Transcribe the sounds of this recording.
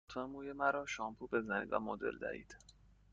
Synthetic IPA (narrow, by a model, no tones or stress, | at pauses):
t̪ʰemuːjemæɾɒːʃɒːmpʰube̞zænḭd̪væ̰mod̪ḛld̪æ̰hḭːd̪̥